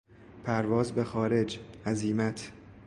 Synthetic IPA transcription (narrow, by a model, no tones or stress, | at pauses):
pʰæɾvɒːzbe̞xɒːɾe̞d͡ʒæziːmæt̪ʰ